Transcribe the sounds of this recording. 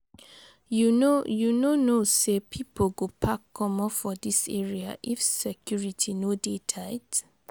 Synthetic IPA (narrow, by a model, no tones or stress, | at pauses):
junojunonosepʰipʰoɡopʰakʰːɔmɔfɔdisḛɹia̰ʔifsɛkʰjuɹitʰinodetʰat